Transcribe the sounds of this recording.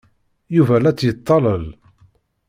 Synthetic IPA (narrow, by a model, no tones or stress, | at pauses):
juvælæt͡sːjət̪ˤːɑləl